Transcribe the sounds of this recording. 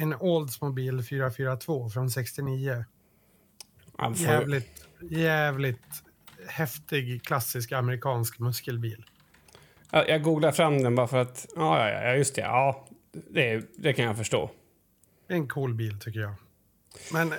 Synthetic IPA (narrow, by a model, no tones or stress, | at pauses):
ɛnɔld̪smʊbiːlfyːɾafyːɾat̪ʰvoːfɾɔnsɛkst̪ɪniːə | ʔa̰ljæːvlɪt̪jæːvlɪt̪ | hɛft̪ɪɡkʰlasːɪskaməɾɪkʰɑːnskmɵskəlbiːl | jajʔɑːɡuːɡlaɾfɾamd̪ɛnbɑːɾafœɾat̪ɑːjɑ̰ːjɑ̰jɑ̰ːjɵst̪ʰɛ̰ɑː | d̪ɛd̪ɛkʰanjafœʂʈo̰ː | d̪ɛɛnkʰuːlbiːlt̪ʰʏkːəɾjɑː | mɛn